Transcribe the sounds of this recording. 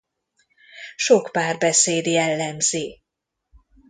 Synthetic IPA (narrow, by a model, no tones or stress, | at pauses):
ʃokpaːrbɛseːd̪jɛlːɛmzi